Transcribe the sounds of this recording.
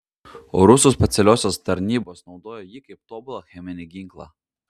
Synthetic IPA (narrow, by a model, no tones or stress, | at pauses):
o̰ːɾʊsuːsʲpʲɛt̪sʲɛlʲoːsʲoːst̪ɐɾʲnʲiːboːsnɒʊd̪oːjoːjikɐɪp̚t̪oːbʊlˠɐxʲɛmʲɪnʲɪɡʲiŋklˠɑ̰ː